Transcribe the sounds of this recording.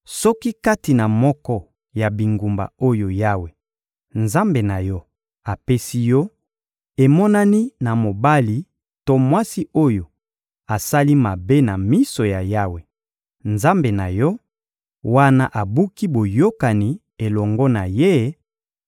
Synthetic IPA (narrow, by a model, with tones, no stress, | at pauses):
sɔ˦ki˦ka˦ti˨na˨mɔ˦kɔ˦ | ja˨bi˨ŋɡu˨mba̰˨o˦jo˨ja˦we˨ | nza˦mbe˨na˨jɔ˦ | a˨pe˦si˦jɔ˦ | e˨mɔ˦na˦ni˦na˨mo˨ba˦li˨ | to˦mwa˦si˦o˦jo˨ | a˨sa˦li˦ma˨be˦na˨mi˦so˨ja˨ja˦we˨ | nza˦mbe˨na˨jɔ˦ | wa˦na˦ʔa˨bu˦ki˦bo˨jo˦ka˨ni˨ | e˨lɔ˨ŋɡɔ˦na˨je˦